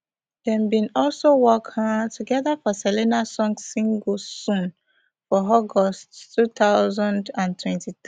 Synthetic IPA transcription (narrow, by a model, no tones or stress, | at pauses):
d̥ɛ̃mbĩnɔlsowɔkhatʰuɡɛðafɔsɛlinasɔ̃ŋsĩŋɡosũn | fɔɔɡɔsttʰːutaʊzãndãntʰwɛ̃ntit̪